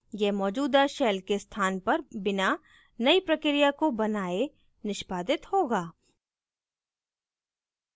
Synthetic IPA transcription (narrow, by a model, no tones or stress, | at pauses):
jɛmɔːd͡ʒuːd̪aʃɛːlkest̪ʰaːnpɐɾbɪna | nɐipɾɐkɾijakobɐnaːe | nɪʃbaːd̪ɪt̪hoːɡaː